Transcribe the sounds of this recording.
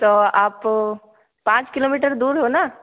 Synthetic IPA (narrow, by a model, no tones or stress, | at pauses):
t̪oːaːp | pãːt͡ʃkɪloːmiːʈəɾd̪uːɾɦonaː